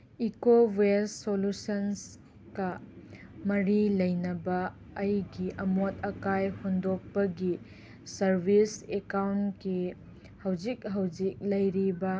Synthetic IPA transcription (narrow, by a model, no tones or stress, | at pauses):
ikoweːolusɐns | kɐ | mɐɾilɐjnɐbɐː | jɡiʔɐmot̚ɐkajhondɔk̚pɐɡi | sɐɾbʱisekawnki | hɐwzik̚ɦɐwzik̚lɐjɾibɐ